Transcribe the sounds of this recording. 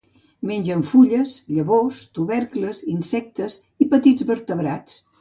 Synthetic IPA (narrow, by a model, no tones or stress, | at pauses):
meɲʲd͡ʒəɱfuʎəsʎəβost̪uβɛɾkləzinsɛk̚t̪əz | ipət̪id͡zβəɾt̪əβɾat͡s